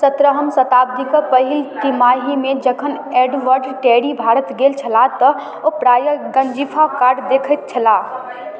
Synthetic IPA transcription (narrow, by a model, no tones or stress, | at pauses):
sət̪ɾəɦəmsət̪aːb̚d̪ikəpəɦɪlt̪imaːɦimẽd͡ʒəkʰəneːɖʋəɾɖʈɛɽibʱaːɾət̪ɡeːlt͡ʃʰəlat̪ə | opɾaːjəɡənd͡ʒipʰakaːɾɖd̪eːkʰət̪̚t͡ʃʰəla